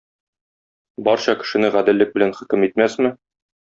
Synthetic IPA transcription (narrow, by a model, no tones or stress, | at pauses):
bɒɾɕɒkɘ̥̆ʃɘ̆nɘʁæd̪ɘ̆lːɘk̚bɘ̆lænχɘ̆kɘmit̪̚mæsmɘ